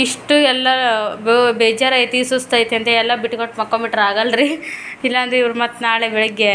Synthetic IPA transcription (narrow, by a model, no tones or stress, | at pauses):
iʂʈuɛlːɐ | beːd͡ʒɐɾɐjt̪iːsust̪ajt̪ːeɐnt̪eɛlːɐbiʈːkɐʈmɐkːombiʈɐɾaːɡɐlɾiilːɐːnd̪ɾeiʋɐɾumɐt̪ːnaːɭebɛɭuɡːe